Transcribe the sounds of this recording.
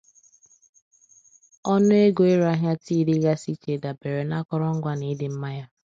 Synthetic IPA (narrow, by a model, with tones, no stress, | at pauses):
ɔ˦nʊ˦e˦ɡo˨e˦ɾa˦ɦja˦ti˦ɾi˦ɣa˦si˦t͡ʃe˨da˨be˨ɾe˨na˦kɔ˦ɾɔ˦ŋ̩˦ɡʷa˦ni˦dɪ˨m̩˦ma˦ja˦